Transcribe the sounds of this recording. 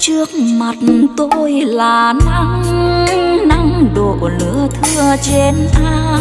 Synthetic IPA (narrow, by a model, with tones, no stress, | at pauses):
t͡ɕɨ˧˥ək̚ma˨˩t̚t̪o˧jlaː˨˩na˧ŋ | na˧ŋɗo˨˩lɨ̰˧˥ət̪ʰɨ˧ət͡ɕe˧nʔaː˧